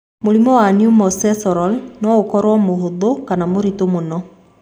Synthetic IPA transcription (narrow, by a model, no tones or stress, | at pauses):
moɾimɔwanijumɔsɛsɔɾɔlnɔokɔɾwɔmohoðokanamoɾitomonɔ